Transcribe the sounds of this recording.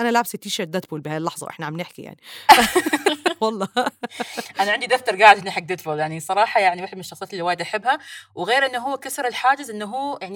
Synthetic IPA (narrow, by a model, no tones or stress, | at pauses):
ʔanalaʕbsit̪iːʃaɾd̪at̪buːlbɪhaːjlːɑħzˤɑ̰wʔɪ̰ħnaʕamnɪħkija̰ʕni | wɑlˤːɑː | ʔanaʕɪnd̪id̪aft̪ɑɾˤɡaːʕɪd̪nːɪħak̚d̪ɪt̪buːljaʕnisˤɑɾˤɑːħɑjaʕniweħɪd̪mɪnɪʃːɑxsˤɑːt̪ɪlːiwaːjɪd̪ʔaħɪbːhawɪɣeːɾʔɪnːʊɦʊwːkasɑɾˤɪlħaːd͡ʒɪzʔɪnːɦuːjaʕni